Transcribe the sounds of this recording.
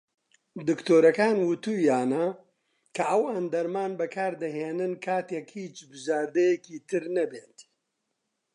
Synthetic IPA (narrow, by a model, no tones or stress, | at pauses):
d̪ɨkt̪ʰoːɾɐkaːnwʊt̪uːjaːnɐ | kʰɐʔɐwand̪ɐɾmaːnbɐkʰaːɾd̪ɐɦeːnɨnkʰaːt̪ekhiːt͡ʃbʊzaːɾd̪ɐjɛkiːt̪ʰɨɾnɐbeːnt̪i̥